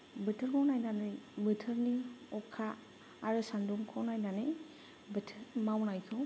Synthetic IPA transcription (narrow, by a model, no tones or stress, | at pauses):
bɯtʰɯɾmawnajnanɯjbɯtʰɯɾniɔkʰːaː | ɾɯsanduŋkʰɔwnajnanɯj | bɯtʰɯɾmawnajkʰɯ